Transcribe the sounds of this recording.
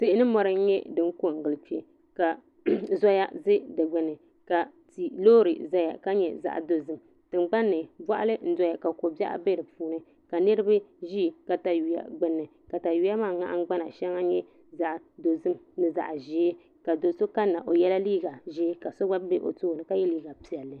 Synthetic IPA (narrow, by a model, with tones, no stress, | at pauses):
se˨ʔɪ˦nɨ˦mɔ˨ɾɨ˦ɲɛ˦dɨ˦ŋ˦ko˦˨ŋ̩˨ɡɨ˨lt͡ʃɛ˨ | ka˨ | zɔ˦ja˦zɨ˦dɛ˨ɡ͡bɛ˨nɨ˨ | ka˨ti˨loː˦ɾɨ˨za˦ja̰˨ka˦ɲɛ̰˨za̰˨ʔdo˨zɨ˦m | tɨ˨ŋ͡mɡ͡ba˦nːɨ˨bwa˦ʔa̰˦lɨ˦n̩˦dɔ˦ja˨ka˨ko˨ba˦ʔa̰˨be˦ɾɨ˨puː˨nɨ˦ | ka˨nɨ˦ɾɨ˦bɨ˦ʒi˦˨ka˨ta˨ju˨ja̰˨ɡ͡bɨ˨nːɨ˨ | ka˨ta˨ju˨ja˦maː˦˨ŋa̰˦ʔŋ̩˦ɡ͡ba˦na˨ʃɛ˦ŋa˦ɲɛ˦ | za˦ʔdo˨zɨ˦mnɨ˨za̰˨ʔʒe˨˦ | ka˨do˨so˦ka˦nːa˨ʔo˨jɛ˦la˦liː˦ɡa˨ʒeː˦ka˨so˦ɡ͡ba˦be˦ʔo̰˨toː˦˨nɨ˨ka˦jɛ˦liː˦ɡa˨pi˨ɛ˨lːɨ˨